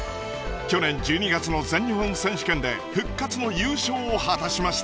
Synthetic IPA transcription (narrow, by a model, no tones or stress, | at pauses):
kʲo̞nẽ̞ɲ̟d͡ʑɨːɲ̟iɡat͡sɨno̞zẽ̞ɲ̟ːihõñsẽ̞ɰ̃ɕi̥kẽ̞nd̪e̞ | ɸɯ̟kːat͡sɨno̞jɯːɕo̞ːhat̪aɕimaɕi̥t̪a